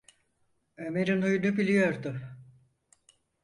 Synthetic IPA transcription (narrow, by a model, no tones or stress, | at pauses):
ømeɾinujunubilʲijo̞ɾd̪ʊ